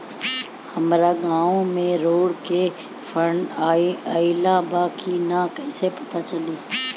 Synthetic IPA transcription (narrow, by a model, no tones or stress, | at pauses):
hɐmɾaɡãːõmẽɾoːɽke | fʰəɳiaɪlãbaːkʰinakɛːsepɐt̪at͡ʃɐliː